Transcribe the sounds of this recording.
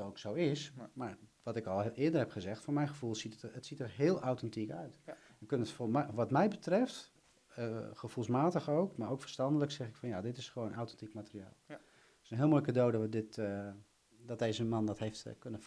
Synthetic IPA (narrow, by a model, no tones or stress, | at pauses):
owksowɪsmaɹʋɑtɪkɔlˠɪədərɦɛpχəzɛχtfʊːɹmɛjnχəvulˠsitətsitərɦɪːlˠʔawtɛntikœ̰ɥt | əkønətfomʋɑtmɛjbətrɪft | əχəv̥ulˠsmaːtəχowkmaɾowkfər̥stɑndələksɛχɪkfɑnjadɪtɪsχəʋownawtɛntikmatərija̰ːlˠ | sənɦɪːlˠmojkədowdɔədɪt | dɔt̚dejzəmɑndɔtɦejftkønə